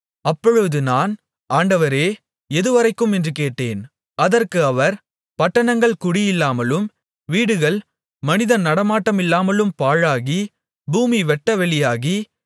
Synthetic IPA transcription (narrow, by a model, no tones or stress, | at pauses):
ɐpːɔɻɯðɯnaːn | aːɳɖɐʋɐɾeː | ɛðɯʋɐɾɐɪkːɯmɛndrɯkeːʈːeːn | ɐðɐrkɯɐʋɐɾ | pɐʈːɐɳɐŋɡɐɭkʊɽɪjɪlːaːmɐlɯm | ʋiːɽɯɣɐɭ | mɐnɪðɐnɐɽɐmaːʈːɐmɪlːaːmɐlɯmpaːɻaːɣi | buːmiʋɛʈːɐʋɛɭɪjaːɣi